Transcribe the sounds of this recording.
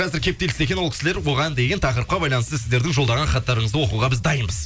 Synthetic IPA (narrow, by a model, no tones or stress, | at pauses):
qʰɑzɪɾkʲʰe̞p̚t̪e̞lɪse̞kʲenolˠkʲɪ̥sɪle̞ɾwo̞ʁɑnd̪e̞ɡʲe̞nt̪ʰɑqəɾəp̚qɑbɑjlˠɑnəst̪əsɪzd̪e̞ɾd̪ɪŋʒo̞ld̪ɑʁɑnχɑt̪ːɑɾəɴəzəwo̞quʁɑbɪzd̪ɑjənbəz̥